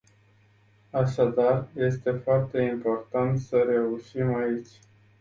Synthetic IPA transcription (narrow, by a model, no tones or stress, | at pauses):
aʃad̪arje̞st̪e̞foart̪e̞impo̞rt̪ant̪səɾe̞uʃimait͡ʃʲ